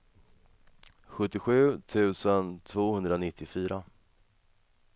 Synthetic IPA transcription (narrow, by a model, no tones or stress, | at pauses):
ɧɵt̪ːɪɧʉ̟ːt̪ʰʉ̟ːsənt̪ʰvoːhɵnd̪ɾanɪt̪ʰːɪfyːɾa